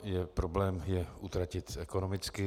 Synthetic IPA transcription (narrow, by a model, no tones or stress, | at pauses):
jɛpɾoblɛːmjɛʔut̪ɾacɪt̪ɛkonomɪt͡skɪ